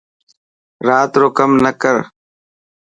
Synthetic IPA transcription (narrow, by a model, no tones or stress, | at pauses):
ɾaːt̪ɾoːkəmnəkəɾ